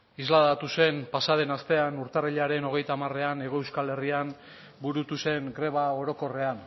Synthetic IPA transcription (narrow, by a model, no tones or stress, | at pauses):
izlaðat̪use̞mpasaðe̞nast̪e̞anuɾt̪ariʎaɾe̞no̞ɣ̞e̞jt̪aːmare̞ane̞ɣ̞o̞ewskale̞rian | buɾut̪use̞ŋɡɾe̞β̞ao̞ɾo̞ko̞re̞an